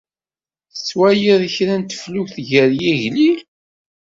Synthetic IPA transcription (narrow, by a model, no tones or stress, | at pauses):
θət͡sːwæjiðçɾænt̪ə̥flʊçθʝəɾjiʝlil